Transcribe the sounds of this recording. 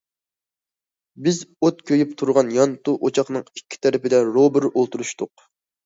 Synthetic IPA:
bɪzot̪̚kʲʰøjyp̚t̪ʰuɾʁɑnjɑnt̪uʔot͡ʃʰɑχnɨŋikʲːi̥t̪ʰɛɾɪpɪd̪ɛɾobɪɾʔolˠt̪uɾuʃt̪ʊq

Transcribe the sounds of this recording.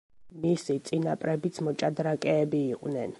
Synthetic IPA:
misit̪sʼinapʼɾɛbit̪sʰmɔt͡ʃʼad̪ɾakʼɛːbiːqʼvnɛn

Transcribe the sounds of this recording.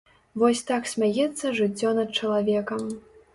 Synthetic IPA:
vɔsʲt̪aksʲmʲajɛt̪sːɐʐɨt͡sʲːɔnɐt̪̚t͡ʂɐlˠavʲɛkɐm

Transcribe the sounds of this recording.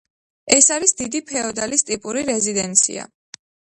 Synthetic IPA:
ɛsaɾisd̪id̪ipʰɛɔd̪alist̪ʼipʼuɾiɾɛzid̪ɛnt̪sʰḭa̰

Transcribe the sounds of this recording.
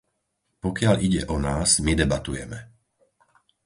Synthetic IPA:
pɔkɪaʎʔiɟɛʔɔnaːzmid̪ɛbat̪ujɛmɛ

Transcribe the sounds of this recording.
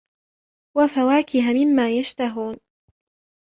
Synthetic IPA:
wafawaːkɪɦamɪmːaːjaʃt̪aɦuːn

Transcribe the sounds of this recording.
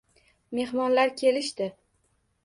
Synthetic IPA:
me̞hmɒnlaɾkʲʰe̞lɪʃt̪ɪ

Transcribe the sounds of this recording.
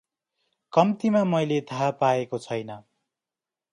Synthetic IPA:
kʌmt̪imamʌjlet̪ʰapaekot͡sʰʌjnʌ

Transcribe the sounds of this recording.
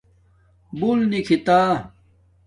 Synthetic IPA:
bulnikʰit̪aː

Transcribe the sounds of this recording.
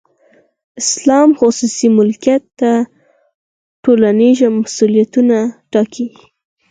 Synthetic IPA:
ɪslɑmxʊsusimʊlkijat̪ːa | ʈolaniʒamasulijat̪unaʈɑkʰi

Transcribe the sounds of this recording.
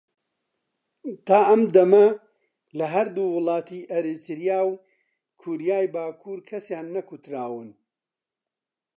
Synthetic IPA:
t̪ʰaːʔɐmd̪ɐmɐ | lɐɦɐɾd̪uːwʊlˠɑːt̪iʔɐɾɨt̪ʰɨɾjaːw | kʰuɾjaːjbaːkʰuːɾkʰɐsjaːnːɐkut̪ɾaːwɨn

